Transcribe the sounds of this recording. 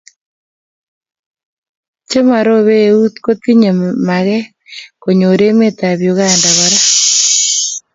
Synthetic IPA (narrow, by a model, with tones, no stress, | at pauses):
t͡ʃe˦ma˨ɾo˦βe˦u˦t̪ko˦t̪i˦ɲe˨ma˨ɣɛ˦ | ko˨ɲo˨ɾe˦me˦t̪a˨βjo˨ɣaː˦˨nda˨βa˨ɾa˦